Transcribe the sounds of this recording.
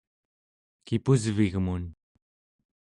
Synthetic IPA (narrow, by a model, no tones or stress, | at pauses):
kipuzviɣmun